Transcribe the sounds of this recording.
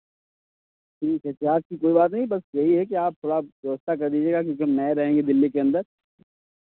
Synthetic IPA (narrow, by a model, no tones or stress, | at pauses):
ʈʰiːkɦɛʈʰiaːt̚kikoːibaːt̪̬nɐɦĩbɐsjɐɦiɦɛk̬iaːp̚t̪ʰoːɽad̪oːst̪ak̬ɐɾd̪iːd͡ʒieːɡak̬jõːkiɦɐmnɛɾɐɦẽːŋɡed̪ɪlːikeɐ̃nd̪əɾ